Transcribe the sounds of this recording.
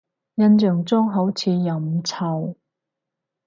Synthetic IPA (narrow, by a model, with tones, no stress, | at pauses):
jɐ˧nt͡ʃœː˨˩ŋt͡sɔː˥ŋɦɐ˨˥wt͡sʰiː˨˧jɐ˨mt͡sʰɐ˨˧˩w